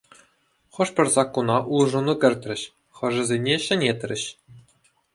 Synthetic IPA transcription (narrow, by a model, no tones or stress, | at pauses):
χɤ̆ʂpʲɘ̆rʲzɑkːunɑʔulˠʐunukʲɘ̆rʲt̪ʲrʲɘ̆ɕ | χɤ̆ʐɘ̆zʲenʲeɕɘ̆nʲet̪ʲrʲɘ̆ɕ